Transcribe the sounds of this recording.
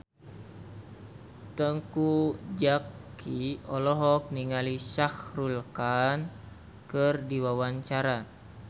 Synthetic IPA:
t̪əŋkud͡ʒakːiɔlɔɦɔk̚niŋaliʃahrulkan | kərdiwawaɲt͡ʃaɾa

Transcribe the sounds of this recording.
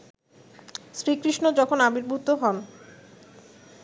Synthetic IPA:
sɾikɾiʃnod͡ʑɔkʰonabiɾbʱut̪ːoɦɔn

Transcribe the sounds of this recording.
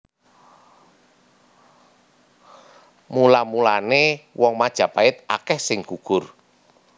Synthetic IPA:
mulamulanewʔɔŋmad̥ʒ̥ä̤paɪt̪̚a̰kɛhsɪŋɡ̥ukʊr

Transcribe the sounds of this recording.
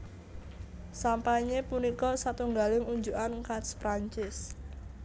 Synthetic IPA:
sampaiɲepunikɔsat̪uŋɡalɪŋuɲd͡ʒuʔankatspɾaɲt͡ʃɪs

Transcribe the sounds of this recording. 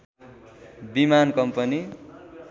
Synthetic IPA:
bimankʌmpʌni

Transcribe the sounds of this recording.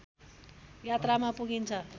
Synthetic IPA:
jat̪ramapuɡint͡sʰʌ

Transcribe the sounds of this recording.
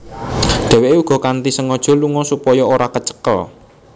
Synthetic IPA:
ɖ̥ɛ̤weʔeuɡ̥ɔ̤kant̪isəŋɔd̥ʒ̥ɔ̤luŋɔsupɔjɔoɾakət͡ʃə̥kə̰l

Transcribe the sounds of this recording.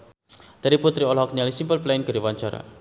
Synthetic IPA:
d̪̥aɾiput̪ɾiɔlɦɔkɲalisimpəlplaɪnɡ̥ə̤ɾiwaɲt͡ʃaɾa̰

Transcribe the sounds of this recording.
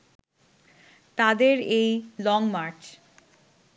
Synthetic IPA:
t̪ad̪eɾejlɔŋmaɾt͡ɕ

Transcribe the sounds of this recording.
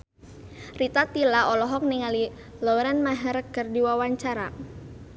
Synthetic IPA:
rit̪at̪ilaʔɔlɔɦɔk̚niŋali | lɔɾɛnmaɦɛɾəkərdiwawaɲt͡ʃaɾa

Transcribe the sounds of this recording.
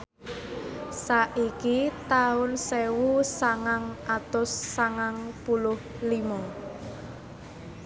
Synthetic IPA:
saʔikit̪aʊnsewusaŋaŋʔat̪ʊsːaŋaŋpulʊh | limɔŋ

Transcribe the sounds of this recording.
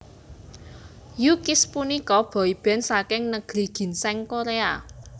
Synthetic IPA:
jukispunikɔb̥ɔ̤ib̥ɛ̤nsakɪŋnəɡ̥ɾi̤ɡ̥i̤nsɛŋkoɾea

